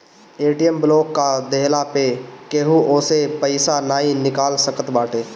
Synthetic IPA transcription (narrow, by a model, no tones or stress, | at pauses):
eːʈijəmbloːkːad̪eɦlapekeɦuʔoːsepəɪsanaːɦinɪkaːlsəkət̪baːʈeː